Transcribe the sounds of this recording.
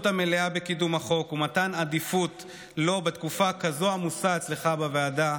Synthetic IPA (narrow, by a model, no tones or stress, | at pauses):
t̪ameleabe̞kidumaχo̞kumatanad̪ifut̪ | lo̞bet̪kufakazo̞amusaet͡sleχabaveada